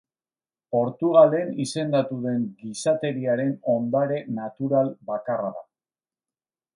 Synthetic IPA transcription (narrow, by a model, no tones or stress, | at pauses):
po̞ɾt̪uɣ̞ale̞nise̞nd̪at̪uðe̞ŋɡisat̪e̞ɾiaɾe̞no̞nd̪aɾe̞nat̪uɾalbakaraða̰